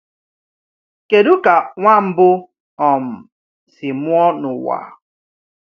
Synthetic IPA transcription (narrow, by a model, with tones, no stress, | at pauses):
ke˨dʊ˦ka˨ŋʷa˦m̩˦bʊ˦ | ɔ˨m̩˨ | sɪ˨mʊ˦ɔ˦nʊ˨wa̰˨